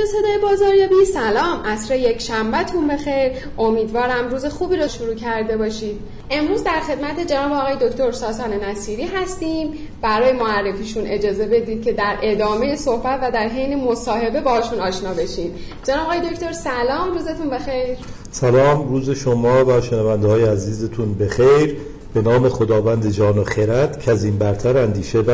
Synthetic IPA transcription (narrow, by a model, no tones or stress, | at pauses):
ese̞d̪ɒːjebɒːzɒːɾjɒːbinsælɒːmʔæsɾeje̞cʰʃæmbæt̪ʰunbe̞xe̞jɾ | ʔo̞miːd̪vɒːɾæmɾuːze̞xuːbiːɾɒʃuɾuːcʰæɾd̪e̞bɒːʃiːd̪̥ | ʔe̞mɾuːzd̪æɾxe̞d̪mæt̪ʰe̞d͡ʒe̞nɒːbeɒːɣɒːje̞d̪oct̪ʰo̞ɾsɒːt̪ʰɒːnenæsiːɾiːɦæst̪iːm | bæɾɒːje̞moærːe̞fiːʃunʔe̞d͡ʒɒːze̞be̞d̪iːd̪̚cʰe̞d̪æɾʔe̞d̪ɒːme̞je̞so̞hbæt̪væd̪æɾɦejnemosɒːɦe̞be̞bɒːhɒʃuːnɒːʃnɒːbe̞ʃiːm | d͡ʒenɒːbeɣɒːjed̪ocʰt̪o̞ɾsælɒːmɾuːze̞t̪ʰunbe̞xe̞jɾ | sælɒːmɾuːzeʃomɒːvæʃenævænd̪ɦɒːjeæziːzet̪ʰunbe̞xejɾ | b̥e̞nɒːme̞xod̪ɒːvænd̪ed͡ʒɒːnoxeɾæt̪cʰæziːmbæɾt̪ʰæɾænd̪iːʃebæ